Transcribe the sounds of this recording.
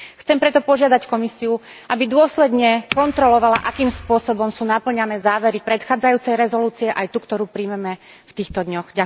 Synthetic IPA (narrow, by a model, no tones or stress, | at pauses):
xt͡sɛmpɾɛt̪ɔpɔʒɪad̪ackɔmisiuʔabid̪ʊɔslɛd̪ɲɛkɔnt̪ɾɔlɔʋalaʔakiːmspʊɔsɔbɔmsuːnapl̩ɲanɛːzaːʋɛɾipɾɛt̪xaːd͡zajuːt͡sɛjɾɛzɔluːt͡siɛʔajt̪ukt̪ɔɾuːpɾimɛmɛ | ft̪iːxt̪ɔd̪ɲɔxɟa